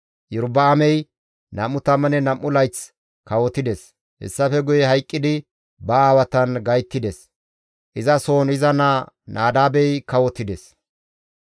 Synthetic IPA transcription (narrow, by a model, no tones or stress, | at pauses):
jɪɾbɐːmɛj | nɐmːʊt̪ɐmɐnɛnɐmːʊlɐjt͡s | kɐwɔt̪ːɪd̪ɛs | hɛ̰sːɐfɛɡʊjɛhɐjkʼːɪd̪ɪ | bɐaːwɐt̪ɐnɡɐjt̪ːɪd̪ɛs | ʔɪzɐsoːnɪzɐna | nʔaːd̪aːbɛjkɐwɔt̪ːɪd̪ɛs